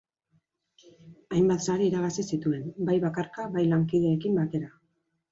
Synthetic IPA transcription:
ajmbat̪saɾeiɾaɣasisit̪ue̞nbajβakarkaβajlaŋkiðeːkimbat̪e̞ɾa

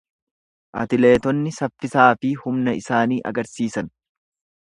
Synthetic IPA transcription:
ʔɐ̰t̪ɪle̞ːt̪ɔnːɪsɐfːɪsaːfɪhʊmnɐɪsaːniːʔɐ̰ɡɐɾsiːsɐn

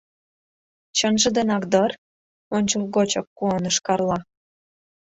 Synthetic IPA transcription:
t͡ɕənʒə̆d̪enɑkd̪ər | onʲt͡ɕolɣot͡ɕok̚kuənə̆ʃkɑrlɑ

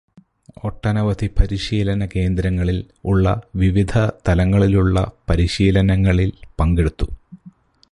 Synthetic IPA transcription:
oʈːɐnɐʋɐd̪ʱipɐɾiɕiːlɐnɐke̞ːnd̪ɾɐŋːɐɭil | uɭːɐʋiʋid̪ʱɐt̪ɐlɐŋːɐɭiluɭːɐ̰pɐɾiɕiːlɐnɐŋːɐɭilpɐŋɡeɽut̪ːu

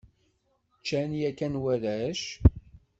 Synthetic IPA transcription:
t͡ʃːænjækænwæðæʃ

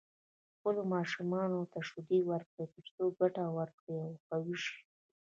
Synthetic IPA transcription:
xpəlomɑʃumɑnot̪aʃud̪ewaɾkɽet̪əɾt͡soɡaʈawaɾkɽeawxawiʃi̥

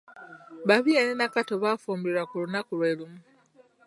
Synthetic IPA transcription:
βaβieninakatoβafuːmbiɾwakulunakulweːlumu

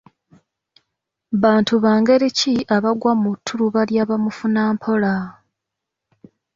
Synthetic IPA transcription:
βaːntuβaːŋɡe̞ɾiciʔaβaɡwamutʰːuɾuβaljaːβamufunaːmpʰo̞la

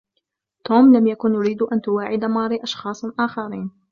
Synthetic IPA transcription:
t̪oːmlamjakʊnjʊɾiːd̪ʔant̪ʊwaːʕɪd̪amɑːɾˤiʔɑʃxɑːsˤʔaːxɑɾiːn

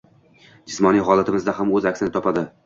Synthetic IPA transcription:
d͡ʒɪsmɒnijɦɒlˠat̪ɪmɪzd̪aɦamɵzakʲsɪnɪt̪ʰɒpad̪ɪ

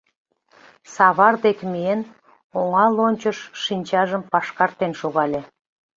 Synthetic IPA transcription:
sɑβɑrd̪ekmien | oŋɑlonʲt͡ɕə̆ʃʃinʲt͡ɕɑʒəmpɑʃkɑrt̪ːenʃoɣɑlʲe

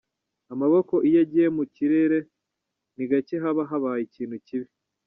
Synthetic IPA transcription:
amaβo̞ko̞ʔijeɟiemuciɾeɾe̞ | niɡaceɦaβaɦaβajiciːn̤̥huciβi

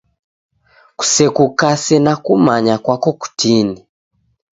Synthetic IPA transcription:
ku̥sɛkukasɛnakumaɲakwakɔku̥tʰini

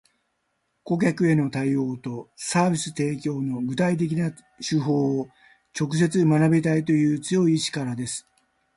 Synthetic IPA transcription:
ko̞k̬ʲakɯ̟e̞no̞t̪aio̞ːt̪o̞saːbʲisɨ̥t̪e̞ːkʲo̞ːno̞ɡɯ̟t̪ait̪̬e̞kʲina | ɕɨɦo̞ː | t͡ɕo̞kɯ̟s̬e̞t͡sɨmanabʲit̪ait̪o̞jɯ̟ːt͡sɨjo̞iɕi̥kaɾad̪e̞sɨ̥

